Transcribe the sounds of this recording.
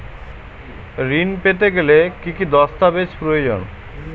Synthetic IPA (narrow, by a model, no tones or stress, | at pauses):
ɾinpet̪eɡelekikid̪ɔst̪abet͡ɕpɾood͡ʑo̰n